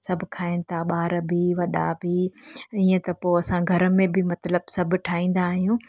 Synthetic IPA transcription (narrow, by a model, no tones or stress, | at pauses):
sɐbʱʊkʰaːɪnɪ̆t̪ʰaɓaːɾbʱiʋɐɗabʱiiːə̃t̪ɐpoːɐsãɡʱɐɾə̆mẽbʱɪmɐt̪ləbsɐbʱʊ̆ʈʰaːĩːn̆d̪aːɦijũ